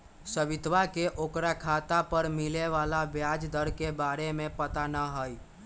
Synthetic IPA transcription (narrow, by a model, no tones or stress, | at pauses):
səbɪt̪ʋakeʔoːkɾakʰat̪apəɾmileʋalabjad͡ʒd̪əɾkebaɾemẽpət̪anəɦəj